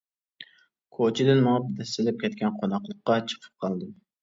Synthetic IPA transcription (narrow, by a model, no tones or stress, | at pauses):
kʰot͡ʃʰɪd̪ɪnmɑp̚d̪ɛst̪ɪlɪp̚kʲʰɛt̪kʲɛnqʰonɑqlˠəqːɑt͡ʃʰɨ̥qʰə̥p̚qʰɑlˠd̪ɪm